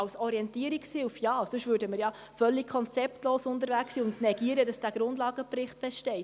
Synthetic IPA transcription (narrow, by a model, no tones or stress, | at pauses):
ɑwsɔɾiɛntiəɾikshɪlfjɑsɵʃʋøːɾdəməɾjɑ | fœlːikkʰɔnt͡sɛptloːsʊndəɾʋæksiʊndnɛɡiəɾədɑsd̥æːɡ̥ɾʊndlɑːɡəpɾɪχt̚b̥ɛʃtɛɪt